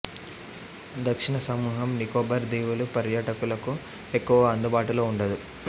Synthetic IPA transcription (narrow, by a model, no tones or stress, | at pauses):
d̪ɐkʂiɳɐsɐmuːɦɐmnikoːbɐɾd̪iːʋulupɐɾjaːʈɐkulɐku | ekːuʋɐːnd̪ubaːʈuloːuɳɖɐd̪u